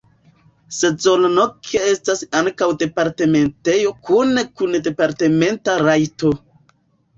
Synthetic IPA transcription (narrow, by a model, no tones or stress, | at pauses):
se̞zolnokʰeestasaŋkawde̞paɾte̞me̞nte̞jo̞kunekunde̞paɾte̞me̞ntaɾajto